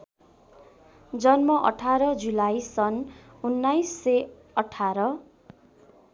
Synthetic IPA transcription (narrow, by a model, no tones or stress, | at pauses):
d͡zʌnmʌʔʌ̰ʈʰaɾʌd͡zulajsʌn | unːajsːe | ʌʈʰːaɾʌ